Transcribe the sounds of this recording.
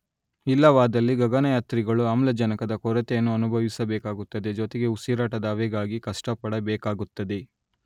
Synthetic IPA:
ilːɐʋaːd̪ɐlːiɡɐɡɐnɐjaːt̪ɾiɡɐɭuamlɐd͡ʒɐnɐkɐd̪ɐkɔɾɐt̪ejɐnːuɐnubʱɐʋisɐbɛːkaːɡut̪ːɐd̪e̞d͡ʒot̪eɡe̞usiɾaːʈɐd̪ɐaːʋeɡaːɡikɐʂʈɐpɐɽɐbɛːkaːɡut̪ːɐd̪e̞

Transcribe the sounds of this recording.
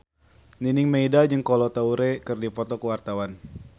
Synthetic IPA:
ninɪŋmeidad͡ʒɨŋkɔlɔt̪auɾekɨrdipɔt̪ɔkəwart̪awan

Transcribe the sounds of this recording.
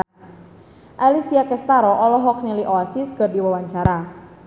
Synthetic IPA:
ʔalisiakɛst̪aɾɔʔɔlɔɦɔk̚niliʔɔasisɡərdiwawaɲt͡ʃaɾa

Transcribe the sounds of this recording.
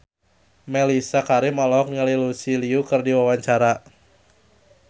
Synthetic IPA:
melisakaɾimɔlɔk̚ŋəlilusiliukɨrdiwawaɲt͡ʃaɾa

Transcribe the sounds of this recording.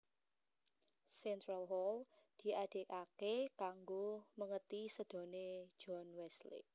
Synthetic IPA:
sɛnt̪ɾalɦɔld̪̥i̤ad̥e̤kakekaŋɡoməŋət̪isəd̪̥ɔ̤ne̥d͡ʒ̥ɔnwɛslḭ

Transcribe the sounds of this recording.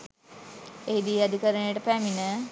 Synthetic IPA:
eɦid̪iad̪ikəɾənejəʈəpæminə

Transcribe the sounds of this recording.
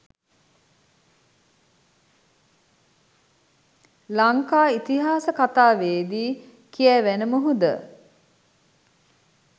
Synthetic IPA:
laŋkaːit̪iɦaːsəkat̪aːʋeːd̪iː | kiɛʋænəməɦud̪ə̰

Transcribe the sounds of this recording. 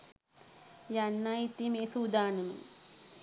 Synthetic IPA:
janːait̪ːimeːsuːd̪aːnɨmḭ

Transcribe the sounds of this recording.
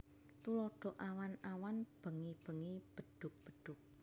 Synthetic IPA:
t̪ulɔɖ̥ɔ̤ʔawanawanb̥ə̤ŋib̥ə̤ŋib̥əɖ̪̥ʊ̤k̚b̥ə̤ɖ̥ʊ̤k̚

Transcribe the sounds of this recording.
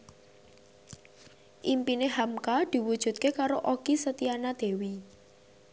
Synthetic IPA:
ʔimpineɦamkad̪̥i̤wud̥ʒ̥ṳt̪̚kekaɾoʔokisət̪ianad̪̥e̤wi

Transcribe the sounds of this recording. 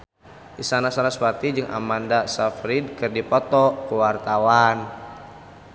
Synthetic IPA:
ʔisanasaɾaspat̪id͡ʒɨŋʔa̰mandasafɾid̚kɨrdipɔt̪ɔkuwart̪awan

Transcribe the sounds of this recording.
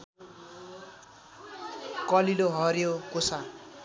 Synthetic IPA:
kʌliloɦʌɾjokosa

